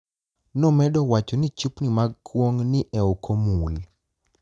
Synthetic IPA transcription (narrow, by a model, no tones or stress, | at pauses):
nɔmɛdɔwat͡ʃonit͡ʃupnimaɡkwoŋnɪʔɛokʰomul